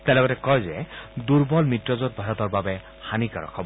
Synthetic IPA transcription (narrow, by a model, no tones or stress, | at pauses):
tɛlɔɡɔtɛkɔjzɛduɹbɔlmitɹɔzot̚bʱaɹɔtɔɹbabɛ | xanikaɹɔ̰kʰɔbɔ